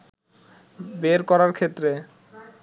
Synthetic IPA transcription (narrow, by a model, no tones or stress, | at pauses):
beɾkɔɾaɾkʰet̪ːɾe